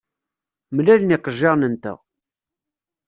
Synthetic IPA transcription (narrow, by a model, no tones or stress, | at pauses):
mlælnɪqəʒːɑʁnənt̪ə̰ʁ